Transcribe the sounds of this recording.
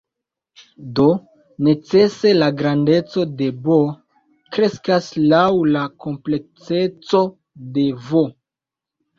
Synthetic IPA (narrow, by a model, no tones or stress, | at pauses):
do̞ | ne̞t͡se̞se̞laɡɾande̞t͡so̞de̞bo | kɾe̞skaslawlako̞mple̞t͡se̞t͡so̞ | de̞vo